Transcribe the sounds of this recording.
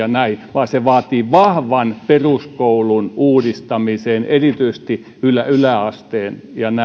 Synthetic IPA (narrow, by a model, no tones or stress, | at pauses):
ɑnæiʋɑːseʋɑːt̪iːʋɑhʋɑnperuskoulunuːdist̪ɑmiseːnerit̪yist̪i | ylæylæɑst̪eːnjɑnæ